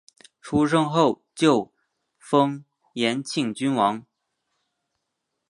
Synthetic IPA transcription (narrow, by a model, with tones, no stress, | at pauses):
ʈ͡ʂʰu˥ʂɤ˥ŋxo˥˩ʊt͡ɕjo˥˩ʊ | fɤ˥ŋ | jɛ˧˥nt͡ɕʰi˥˩ŋt͡ɕy˥nwɑ˧˥ŋ